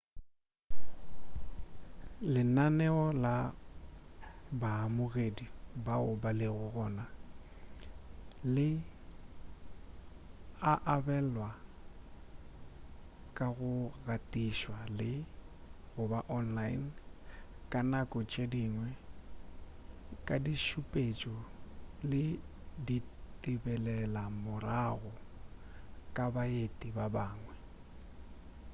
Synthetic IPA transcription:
lɪnanɛɔla | baamʊɣedibaʊbalɪɣʊɣɔːna | lɪ | aʔabɛlwa | kʼaɣʊɣatʼiʃwalɪ | ɣʊbaʔɔnlain | kʼanakʼɔt͡ʃʼediŋwɛ | kʼadiʃupʼet͡ʃʼɔlɪditʼibɛlɛlamʊraɣɔ | kʼabaetʼibabaːŋwɛ

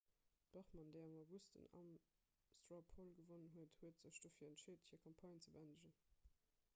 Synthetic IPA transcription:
b̥ɑχmɑndeɪɑmɑʊɡustə̰nɑ̰m | stɹapʰolɡəvonənɦuəthuətz̥əɕd̥oːfiːɐəntʃeːthiːɐkʰɑmpʰɑjnt͡səbəændəʑən

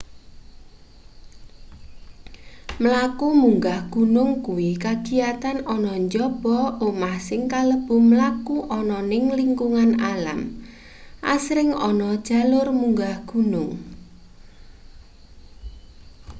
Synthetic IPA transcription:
məlakumuŋɡahɡ̥unʊŋkuwikaɡ̥i̤jat̪anɔnɔɲd͡ʒɔb̥ɔomahsɪŋkaləb̥uməlakuʔɔnɔnɪŋliŋkuŋanala̰m | ʔa̰sɾɪŋɔ̰nɔd̥ʒ̥a̤lʊrmuŋɡahɡ̥ṳnʊŋ

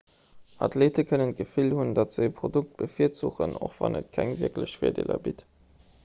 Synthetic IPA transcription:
ʔɑtʰleːtəkʰənənɡ̥əfilhundɑtz̥əpʰʁoduk̚t̚b̥əfiːɐtzuχəno̰χv̥ɑ̰nət̚kʰæŋviɐkləɕfeːɐdḛːlɐ̰bit

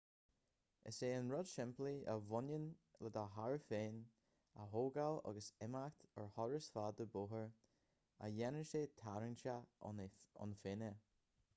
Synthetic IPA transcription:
ə̰seːənɹɔdʃɪmpliəvʊnjənləd̪aɦaɹəfeːn | ə̰ɦoːɡalɔ̰ɡəsɛmakt̪əɹhɔɹəsfaːd̪əbʊɦəɹ | a̰jɛnəʃeːt̪ʰaɹənʃa | ʊ̰nfenə

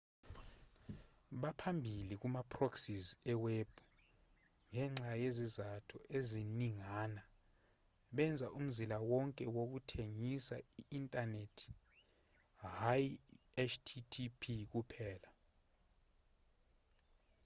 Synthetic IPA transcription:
ɓapʰambʱilik̬umapʰʼroksizɛweb̥ʱu | ŋɛŋ͡ǁajezizatʰɔʔeziniŋaːna | ɓɛnd͡zʱaʔum̩zilawɔŋkʼɛwok̬utʰeŋisaiːntʼanetʰi̥ | hajɛt͡ʃʰtʰitʰipʰik̬upʰɛːla

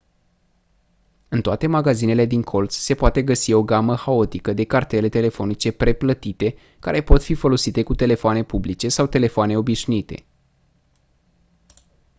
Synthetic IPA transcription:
ɨnt̪oat̪e̞maɡazine̞le̞d̪iŋkʰo̞lt̪sse̞poat̪e̞ɡəsio̞ɡaməxao̞t̪ikəd̪e̞kart̪e̞le̞t̪e̞le̞fo̞nit͡ʃe̞pɾe̞plət̪it̪e̞ | ka̰ɾe̞po̞t̪fifo̞lo̞sit̪e̞kut̪e̞le̞foane̞publit͡ʃe̞sawt̪e̞le̞foane̞o̞biʃnuit̪e̞̰

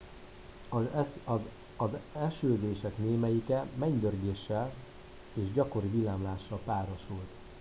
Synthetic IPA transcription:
ɒzɛʃøːzeːʃɛkneːmɛjikɛmɛɲd̪ørɡeːʃːɛl | eːʒɟɒko̞ɾivilaːmlaːʃːɒlpaːɾoʃult̪

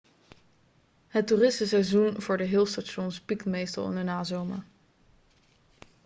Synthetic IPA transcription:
ɦəturɪstəsɛjzunv̥ʊːɹdəɦɪlˠstaʃɔnspikmejstɑlˠɪ̰nənaːzowma

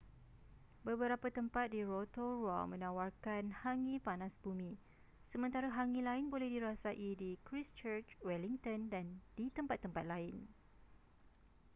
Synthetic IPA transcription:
bəbəɾapat̪əmpat̪̚diɾot̪oɹwa̰mə̃nãwarkanhaŋĩpanasbumĩ | səmə̃nt̪aɾaɦaŋĩlaɪnbolɛhdiɾasaʔidikɾist͡ʃət͡ʃwɛliŋt̪əndandit̪əmpat̪ːəmpat̪̚laɪn

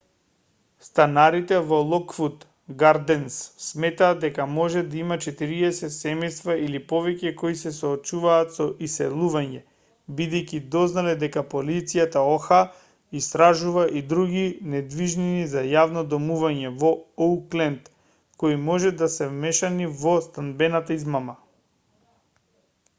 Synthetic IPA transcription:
st̪anaɾit̪ɛvɔlˠɔkfut̪ | ɡaɾd̪ɛnsːmɛt̪aːd̪ɛkamɔʒɛd̪aimat͡ʃɛt̪iɾiɛsɛt̪sɛmɛjst̪vailipɔvɛcɛkoisɛsoːt͡ʃuvaːt̪sɔʔisɛ̰lˠuvaɲɛ | bid̪ɛjcid̪ɔznalɛd̪ɛkapolit̪sijat̪aoxa | ist̪ɾaʒuvaʔid̪ɾuɡinɛd̪viʒninizajavnɔd̪ɔmuvaɲɛvɔouklɛnt̪ | koimɔʒɛd̪asɛvmɛʃanivɔst̪anbɛnat̪aizmama

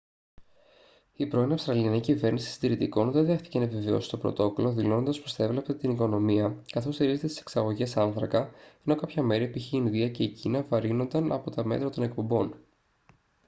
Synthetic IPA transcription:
ipɾo̞inɐfst̪ɾɐliɐnicive̞ɾnisi̥si̥d̪iɾit̪iko̞nðe̞nðe̞xθi̥ce̞nɐepiveo̞̰si̥st̪opɾo̞̰t̪o̞ko̞lo̞ðilo̞nond̪ɐspo̞st̪ɐe̞vlept̪et̪iniko̞no̞miɐkɐθo̞st̪iɾize̞t̪et̪i̥seksɐɣo̞ʝe̞sɐnθɾɐkɐeno̞kɐpçɐme̞ɾiepiçiinðiɐce̞icinɐvɐɾino̞nd̪ɐnɐpo̞t̪ɐme̞̰t̪ɾɐt̪o̞ne̞k̚po̞mbo̞n

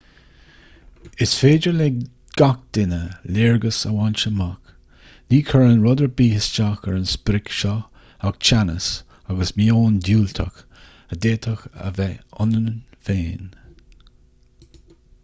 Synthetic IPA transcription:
ɪsfeːd͡ʒəɹle | ɡ̥ak̚d̪̥ɪnəlɪːɹɡəsə̰want͡ʃəmak | niːkʰəɹənɹɔd̪əɹbiːhɪst͡ʃakəɹənspɾɪkʃɔ | aɡ̚t͡ʃʰanə̰s | aɡəsmiːoːnd̪uːlt̪ʰə̰x | əd̪eːt̪ʰəxə̰vɛʊnənfeːn

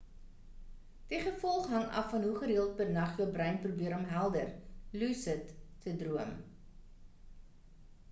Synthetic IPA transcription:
d̥iχəfɔlˠχɦɐŋɐ̰fːɐnɦuχəɾiəlˠt̚pətnɐχjəwbrɛjnprubiəɾɔmɦælˠdərlusətːədruəm

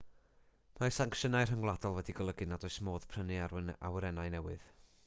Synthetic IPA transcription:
masaŋkʃənajr̥əŋwlˠadɔlˠwɛdiɡəlˠəɡɨnadɔjsmoːð̥pʰr̥ənɨaɾa̰wəɾɛnajnɛwɨð̥

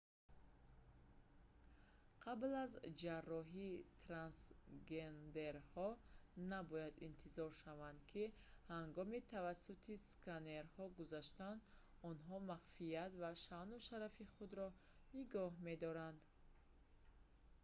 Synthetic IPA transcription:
qʰablazd͡ʒarːɔɦit̪ʰɾansɡend̪eɾhɔnabɔjad̪int̪ʰizɔɾʃavand̪kʰi | haŋɡɔmit̪ʰavasːut̪ʰiskʰaneɾhɔɡuzaʃt̪an | ɔnɦɔmaχfiat̪vaʃanuʃaɾafiχud̪ɾɔ | niɡɔɦme̞d̪ɔɾand̪

